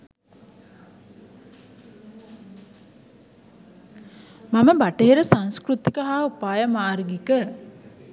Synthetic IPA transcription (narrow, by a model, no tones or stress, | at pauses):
maməbaʈeeɾəsanskɾut̪ikəɦaːupaːjəmaːrɡikə